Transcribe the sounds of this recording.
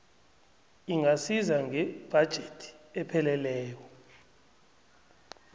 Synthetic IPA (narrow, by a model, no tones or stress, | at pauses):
iŋasizaŋɛb̥ʱad̥ʒ̥ʱetʰi̥ɛpʰɛlɛlɛːk̬ɔ